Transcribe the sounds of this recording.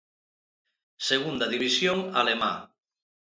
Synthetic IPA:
seɣ̞und̪aðiβisjoŋalema̰

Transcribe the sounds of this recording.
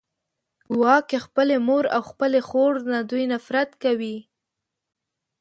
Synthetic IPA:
wɑkexpəlemoɾa̰wxpəlexoɾnad̪ujnafɾat̪kawi

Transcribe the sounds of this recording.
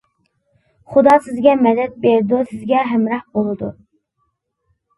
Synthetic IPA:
χud̪ɑsɪzɡʲɛmɛd̪ɛt̪̚beɾɪd̪usɪzɡʲɛɦɛmɾɑhbolˠɨd̪u

